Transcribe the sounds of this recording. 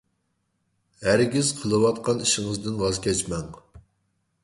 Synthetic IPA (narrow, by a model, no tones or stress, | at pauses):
hæɾɡʲiz̥qʰəlˠɨwɑt̪qʰɑniʃɪŋɨzd̪ɪnwɑzkʲɛt͡ʃmɛŋ